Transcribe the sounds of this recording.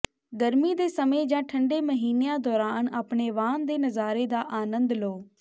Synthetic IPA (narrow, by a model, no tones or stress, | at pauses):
ɡəɾmiːd̪eːsəmẽːd͡ʒãːʈʰəɳɖeːməɦiːnejãːd̪ɔːɾaːnaːpɳeːʋaːnd̪eːnəzaːɾeːd̪aːʔaːnənd̪loː